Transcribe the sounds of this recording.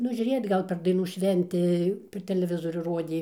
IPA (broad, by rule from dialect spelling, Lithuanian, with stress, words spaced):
ˈnʊ ʒʲʊˈrʲeːjoːt ˈɡɐlˠ pʲɛr dɐɪˈnuː ˈʃʲʋʲɛnʲtʲɪ pʲɛr tʲɛlʲɛˈʋʲɪzoːrʲuː ˈroːdʲeː